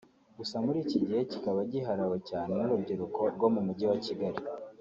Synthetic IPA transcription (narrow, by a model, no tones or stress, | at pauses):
ɡ̥usamuɾiːciɟihe̞cikaβaɟiɦaɾawocaːne̞nuɾubɟiɾukʰo̞ɾɡo̞mumuɟiwaciɡaɾi